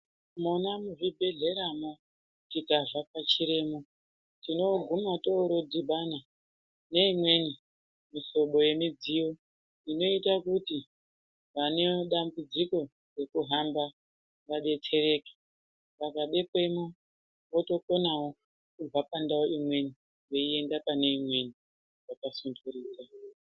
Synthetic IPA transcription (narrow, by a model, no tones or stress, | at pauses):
munamuʐibʱe̞ɮe̞ɾamo | tikaʐapat͡ʃiɾe̞ːmo | tino̞ɡʱumatoɾod͡ziɓana | ne̞imwe̞ni | miso̞ɓo̞je̞mid͡ziwo̞ | ino̞itakuti | ʋane̞ɗambud͡ziko̞ | re̞kuɦamba | ʋaɗe̞tʰe̞ɾe̞kḁ | pakaɗepe̞mu | woto̞konawo | kub͡vapandaoimwe̞ni | je̞ie̞ndapane̞imwe̞ni | wakasuntuɾiːd͡za